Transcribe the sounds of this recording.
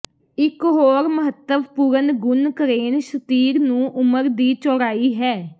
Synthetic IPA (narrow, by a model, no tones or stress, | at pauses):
ɪkɦoːɾməɦət̪ːəʋpuɾənɡʊnkəɾeːnʃət̪iːɾnũːʔʊməɾd̪iːt͡ʃɔːɾaːiːɦɛː